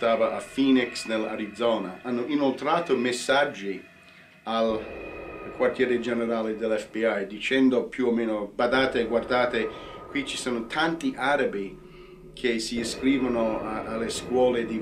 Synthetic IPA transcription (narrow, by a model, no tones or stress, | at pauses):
t̪aːvaʔafiːniksnela̰ɾid̪zɔːnaanːoʔinolt̪ɾaːt̪omesːad͡ʒːi | al | kwart̪jɛːɾed͡ʒenɛɾaːled̪elɛfpiajd̪it͡ʃɛnd̪opjuomeːnobad̪aːt̪eɡward̪aːt̪ekwit͡ʃi̥soːnot̪ʰant̪iʔaɾabi | kʰesiːskɾiːvanoalːeskwɔːled̪i